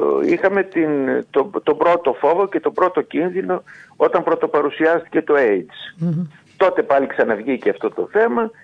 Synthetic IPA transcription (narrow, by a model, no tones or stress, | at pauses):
ixɐme̞t̪int̪ot̪o̞bɾo̞t̪o̞fo̞vo̞ce̞t̪o̞bɾo̞t̪o̞cinðino̞o̞t̪ɐmpɾo̞t̪o̞pɐɾusiɐst̪i̥ce̞t̪o̞ejt͡s | t̪o̞t̪e̞pɐliksɐnɐvʝiceɐft̪o̞t̪o̞̰θe̞mɐ